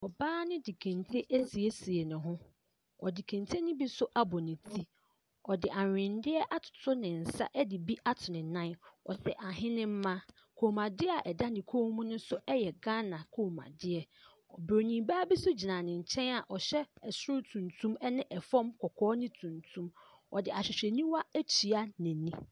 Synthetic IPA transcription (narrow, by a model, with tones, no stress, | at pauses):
ɔ˨baː˦nɪ̃˦di˨kʰæ̃˨ntʰe˦ʔæ˦si˨e˦si˨e˨nʊ̃˨ɦʊ̃˦ | ɔ˨di˨kʰæ̃˨ntʰe˦nɪ̃˦bi˦sʊ˦ʔa˦bɔ˨nɪ̃˨tʰi˦ | ɔ˨dɪ˨ʔa˨ɪ̃˨ndɪ˦ɛ˦ʔa˦tʰʊ̥˨tʰʊ˦nɪ̃˨n̩˨sa̰˦ʔɛ˦dɪ˨bi˦ʔa˦tʰʊ˨nɪ̃˨nã˦nɔ̰˨sɛ˨ʔa˨ɦɪ̃˦nɪ̃˦m̩˦mã˦ | kʰo˨mã˨dɪ˦a˨ʔɛ˨da˦dɪ̃˨kʰo˦mũ˦nʊ̃˦sʊ˦ɛ˦jɛ˨ɡã˦nã˨kʰo˨mã̰˨dɪ˦ɛ˨ | ɔ˨bɾo˨nĩ˨baː˦bi˦sʊ˦d͡ʑi˨nã˨nɪ̃˨ɲ̩˨t͡ɕʰɛ̃˦na˨ʔɔ˨ɕɛ˦ɛ˨sʊ˦ʊ˦tʰũ˨ntʰũ˦mɛ˦nɪ̃˦ʔɛ˨fɔ̃˦mkʰɔ˨kʰɔː˦nɪ̃˦tʰũ˨ntʰũ˦m | ɔ̰˨dɪ˨a˨ɕᶣɪ˨ɕᶣɛ˨nĩ˦wa˦æ˦t͡ɕʰi˨a˦nɪ̃˨nĩ˦